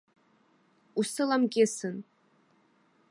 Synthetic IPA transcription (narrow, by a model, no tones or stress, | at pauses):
usɨlamkʲʼɪsɨn